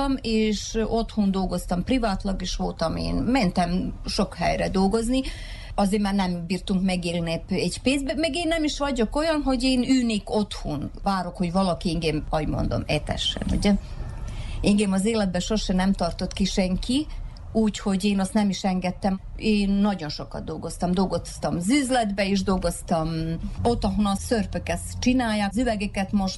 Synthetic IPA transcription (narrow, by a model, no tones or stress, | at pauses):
meːʃo̞t̪hund̪o̞lɡo̞st̪ɒmprivaːt̪lɒɡeːʃʋo̞lt̪ɒmḛːnmɛnt̪ɛmʃo̞khɛ̰jrɛd̪o̞lɡo̞zni | ɒzeːmaːrnɛmbiːrt̪uŋkmɛɡeːlnepɛɟpeːzbɛmɛɡeːnːɛmiʃʋɒɟo̞ko̞jɒnɦo̞ɟeːnyːneːkot̪hunvaːɾo̞kho̞ɟvɒlɒkiiŋɡemɒɟmo̞̰nd̪o̞̰mɛt̪ɛ̰ʃɛ̰nṵɟɛ | iŋɡeːmɒzeːlɛd̪̚bɛʃorʃɛnɛmt̪ɒrt̪o̞t̪kiʃɛŋki | uːcho̞ɟeːnɒst̪nɛmiʃɛŋɡɛt̪ːɛmeːnːɒɟo̞nʃo̞kɒ̰d̪̚d̪o̞lɡo̞st̪ɒmd̪o̞lɡo̞st̪ɒmzyːzlɛd̪bɛeʒd̪o̞lɡo̞st̪ɒmo̞t̪ːɒɦonɒsørpøkɛst͡ʃinaːjːaːkzyvɛɡɛkɛt̪mo̞ʃ